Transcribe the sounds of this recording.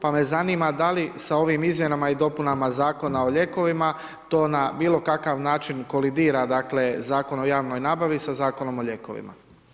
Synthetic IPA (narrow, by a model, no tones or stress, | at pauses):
pame̞zaniːmad̪alisao̞ʋimizmje̞namaid̪o̞punamazaːko̞nao̞ʎe̞ko̞ʋima | t̪o̞ːnabiːlˠo̞kakaʋnaːt͡ʃinko̞lid̪iːɾad̪akle̞zaːko̞no̞jaːʋno̞jnaːbaʋisazaːko̞no̞mo̞ʎe̞ko̞̰ʋḭma̰